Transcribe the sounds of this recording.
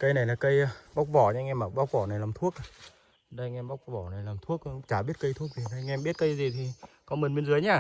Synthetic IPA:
kə˧jna˨˩jlaː˨˩kə˧jɓa˦˥wk͡p̚vɔ˧˩ɲaː˧ŋʔɛ˧maː˨˩ɓa˦˥wk͡p̚vɔ˧˩na˨˩jlaː˨˩mt̪ʰu˦˥ək̚ː | ɗa˧jŋʔɛ˧mɓa˦˥wk͡p̚vɔ˧˩na˨˩jlaː˨˩mt̪ʰu˦˥ək̚ːt͡ɕaː˧˩ɓi˦˥ət̚kə˧jt̪ʰu˦˥ək̚vi˨˩ɗa˧ŋʔɛ˧mɓi˦˥ət̚kə˧jzi˨˩t̪ʰi˨˩kɔ˨˦mi˨˩nmɓe˧nzəː˨˦jɲaː˧˩

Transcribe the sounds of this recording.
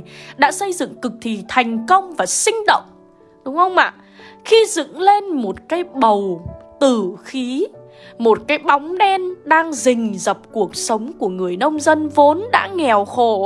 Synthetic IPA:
ɗa̰ː˧˥sə˧jzɨ̰˧˨ŋkɨ˨˩k̚t̪ʰi˨˩t̪ʰa˨˩jŋ̟kə˧wŋ͡mvaː˨˩sï˧ŋ̟ɗə̰˧˨wŋ͡m | ɗʊ˨˦ŋ͡mhə˧wŋ͡mʔa̰ː˧˨ | xi˧zɨ̰˧˨ŋle˧nmo˨˩t̚kaː˨˦jɓə˨˩wt̪ɨ˧˩xi˨˦ | mo˨˩t̚kaː˨˦jɓa˨˦wŋ͡mɗɛ˧nɗaː˧ŋzï˨˩ŋ̟zə˨˩p̚ku˨˩ək̚sə˨˦wŋ͡mku˧˩əŋɨ˨˩əjnə˧wŋ͡mzə˧nvo˨˦nɗa̰ː˧˥ŋɛ˨˩wxo˧˩

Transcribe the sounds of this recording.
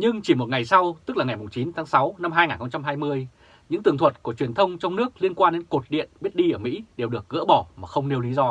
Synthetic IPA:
ɲɨ˧ŋt͡ɕi˧˩mo˨˩ŋa˨˩jsa˧wt̪ɨ˦˥k̚laː˨˩ŋa˨˩jmʊ˨˩ŋ͡mt͡ɕi˨˦nt̪ʰaː˨˦ŋsa˨˦wna˧mɦaː˧jŋaː˨˩nxə˧ŋ͡mt͡ɕa˧mɦaː˧jmɨ˧əj | ɲɨ̰˧˥ŋt̪ɨ˨˩ŋt̪ʰwə˨˩t̚ku˧˩ət͡ɕwi˨˩ənt̪ʰə˧wŋ͡mt͡ɕɔ˧wŋ͡mnɨ˦˥ək̚li˧ənkwaː˧nɗe˨˦nko˨˩t̚ɗḭ˧˨ənɓi˦˥ət̚ɗi˧ʔəː˧˩mḭ˧˥ɗe˨˩wɗɨ˨˩ək̚ɣɨ̰˧˥ɓɔ˧˩maː˨˩xə˧wŋ͡mne˧wli˨˦zɔ˧

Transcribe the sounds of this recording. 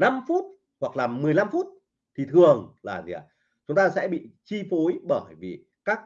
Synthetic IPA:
na˧mfu˦˥t̚ | hwa˨˩k̚laː˨˩mɨ˨˩əjla˧mfu˦˥t̚ | t̪ʰi˨˩t̪ʰɨ˨˩əŋlaː˨˩nḭ˨ə˨˩ | t͡ɕʊ˨˦ŋ͡mt̪aː˧sɛ̰˧˥ɓḭ˧˨t͡ɕi˧fo˨˦jɓəː˧˩jvi˨˩ | kaː˦˥k̚

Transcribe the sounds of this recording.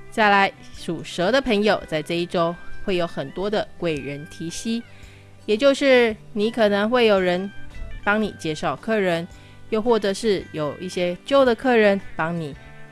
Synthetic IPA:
t͡ɕa˥˩la˧˦ɪʂu˨˩ʂɤ˧˥d̪ə˨pʰə˧˥ŋjo˨˩ʊt͡sa˥˧ɪʈ͡ʂɤ˥˧i˥˩ʈ͡ʂo˥ʊxwe˥˩ɪjo˨˧˥ʊxə˨˩nt̪wɔ˥d̪ə˨kwe˥˩ɪɻə˧˦˥nt̪ʰi˧˥ɕi˥ | jɛ˨˩t͡ɕjo˥˧ʊʂɻ̩˥˩ni˧˥kʰɤ˨˩nə˧˥ŋxwe˥˩ɪjo˨˩ʊɻə˧˦npɑ˥ŋnḭ˨˩t͡ɕjɛ˥˧ʂɑ˥˩ʊkʰɤ˥˩ɻə˧˦n | jo˥˧ʊxwɔ˥˩ʈ͡ʂɤ˨˩ʂɻ̩˥˩jo˨˩ʊʔi˥˩ɕjɛ˥t͡ɕjo˥˩ʊd̪ə˨kʰɤ˥˩ɻə˧˥npɑ˥ŋni˨˩˦

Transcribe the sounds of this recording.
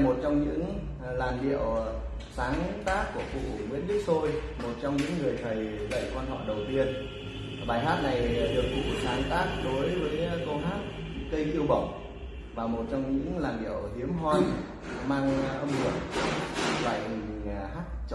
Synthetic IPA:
mo˨˩t̚t͡ɕɔ˧wŋ͡mɲɨ̰˧˥ŋ | laː˨˩nɗḭ˧˨əw | saː˨˦ŋ˦˥t̪aː˦˥k̚kːu˧˩əfṵ˧˨ŋwḭ˧˥ənɗɨ˦˥k̚so˧j | mo˨˩t̚t͡ɕɔ˧wŋ͡mɲɨ̰˧˥ŋːɨ˨˩əjt̪ʰə˨˩jzə̰˧˨jkwaː˧nɦɔ̰˧˨ɗə˨˩wt̪i˧ən | ɓaː˨˩jɦaː˦˥t̚na˨˩jɗɨ˨˩ək̚vṵ˧˨saː˨˦ŋt̪aː˦˥k̚ɗo˨˦jvəː˨˦jko˧ɦaː˦˥t̚ | k̪ə˧jki˧əwɓə˧˩wŋ͡m | vaː˨˩mo˨˩t̚t͡ɕɔ˧wŋ͡mɲɨ̰˧˥ŋlaː˨˩nɗḭ˧˨əwt̪i˨˦əmɦwaː˧j | maː˧ŋʔə˧mhṵ˨˩ən | va̰ː˧˨jhaː˦˥t̚t͡ɕ

